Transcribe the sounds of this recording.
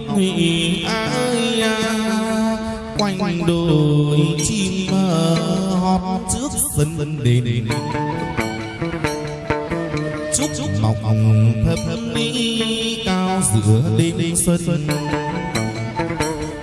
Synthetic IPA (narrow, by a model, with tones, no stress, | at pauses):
hwi˧˨ʔʔaː˧˦ə˧jaː˧ | kwa˧jŋɗo˨˩˨jt͡ɕi˧məː˧˩ɦɔ˨˩p̚t͡ɕɨ˦˥ək̚və˧nnɗe˨˦n | t͡ɕʊ˦˥tma̰˨˩wk͡p̚t̪ʰə˨˩li˧˥kaː˧wzɨ̰˧˨əɗe˨˦n˧swə˧ə˧